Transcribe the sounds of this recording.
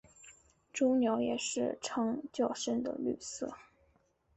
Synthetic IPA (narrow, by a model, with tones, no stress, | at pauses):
ʈ͡ʂʊ˥njo˧˥ʊjɛ˨˩ʂɻ̩˥˩ʈ͡ʂʰɤ˥ŋt͡ɕjɑ˥˩ʊʂə˥nd̪ə̰˨ly̰˥˧sɤ̰˥˩